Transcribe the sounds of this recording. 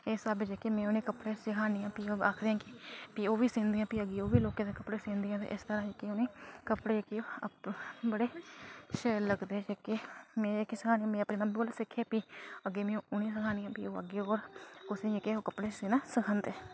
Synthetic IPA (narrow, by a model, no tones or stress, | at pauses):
eːsəbd͡ʒeːkemɛ̃ːoːnẽːkəpɽeːsɪkʰaːnijãːpioːaːkʰd̪eːãːkɪpiːoːʋiːsɪːnd̪iːãːpiːəɡeːoːʋiːloːkãːd̪eːkəpɽeːsẽnd̪ijãːt̪ḛːʔɪst̪əɾãːd͡ʒekioneːkəpɽeːkio | bəɽeːʃeːlləɡd̪eːd͡ʒeːkemɛ̃ːkːisɪkʰaːniːãːmɛ̃ːəpniːnaboːlsɪkʰːeːpiːəɡeːmẽːũʊnẽːs̬əkʰaːnɪjãːpiːoːəɡeːoːɾkʊsẽːd͡ʒekeːoːkəpɽeːsɪːnãːsɪkʰənd̪eː